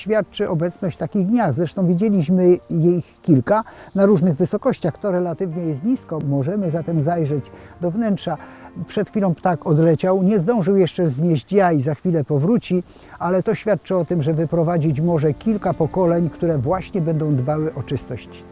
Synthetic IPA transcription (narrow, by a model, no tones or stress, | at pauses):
ɕfʲjat̪̚t͡ʂɘʔɔbɛt̪snɔɕt͡ɕt̪akʲiɣɡ̪ɲazɾɛʂt̪ɔ̃w̃vʲid͡ʑelʲiɕmɘjexkʲːilkanaɾuʐnɘɣvɘsɔkɔɕt͡ɕaxt̪ɔɾɛlat̪ɘvɲɛjɛst̪̚ɲiskɔmɔʐɛmɘzat̪ɛmzajʐɛd͡ʑd̪ɔvnɛntʂapʂɛt̪xʲfʲilɔ̃w̃pt̪akɔd̪lɛt͡ɕawɲɛzd̪ɔ̃w̃ʐɘwjɛʂt͡ʂɛzɲɛʑd͡ʑjaizaxfʲilɛpɔvɾut͡ɕi | alɛt̪ɔɕfʲjat̪̚t͡ʂɛɔt̪ɘmʐɛvɘpɾɔvad͡ʑit͡ɕmɔʐɛkʲilkapɔkɔlɛɲkt̪uɾɛvwaɕɲɛbɛnd̪ɔ̃w̃d̪bawɘʔɔt͡ʂɘst̪ɔɕt͡ɕi̥